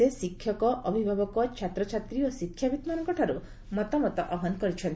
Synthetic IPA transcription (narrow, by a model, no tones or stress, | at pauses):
esikʰːjɔkɔʔɔbʱibʱabɔkɔt͡ʃʰat̪ɾɔt͡ʃʰat̪ɾiosikʰːjabit̪manɔŋkɔʈʰaɾu | mɔt̪ɔmɔt̪ɔʔɔɦɔnkɔɾit͡ʃʰɔnt̪